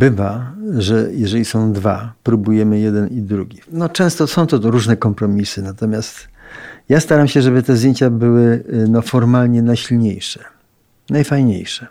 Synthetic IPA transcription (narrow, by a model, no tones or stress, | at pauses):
bɘvaʐɛjɛʐɛlʲisɔ̃w̃d̪va̰pɾubujɛmɘjɛd̪ɛnid̪ɾuɡʲinɔt͡ʂɛ̃w̃st̪ɔsɔ̃w̃t̪ɔɾuʐnɛkɔmpɾɔmʲisɘnat̪ɔmʲjast̪jast̪aɾamɕɛʐɛbɘt̪ɛzd̪ʲjeɲt͡ɕabɘwɘnɔfɔɾmalɲɛnajɕilɲejʂɛ̥ | najfajɲḛjʂɛ